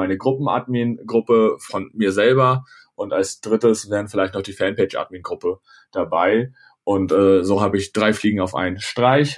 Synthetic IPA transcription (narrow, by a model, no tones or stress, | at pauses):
aɪnəɡʁʊpm̩ʔa̰tmiːnɡʁʊpəfɔnmiːɐzɛlbɐ | ʔʊntalsd̥ʁɪtəsv̥ɛːʁən̩fɪlaɪçtnɔχd̥iːfɛnpeɪt͡ʃʔa̰ːt̚miːnɡʁʊpə | d̥abaɪ | ʔʊntʔɛːzoːɦaːbəɪçd̥ʁaɪfliːɡŋ̩aʊfʔa̰ɪnənʃtʁ̥aɪç